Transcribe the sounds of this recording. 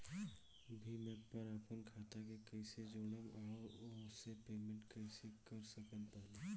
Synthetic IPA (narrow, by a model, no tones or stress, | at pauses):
bʱimẽpəɾaːpənkʰaːt̪akekəɪsed͡ʒoːɽəmɔːɾʊsepeːmẽɳʈkəɪsekəɾsəkənpəɦla